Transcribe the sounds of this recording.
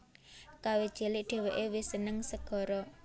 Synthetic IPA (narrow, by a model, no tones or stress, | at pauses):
kawed̥ʒ̥e̤lɪʔɖ̥e̤weʔewisənəŋsəɡ̥ɔ̤ɾɔ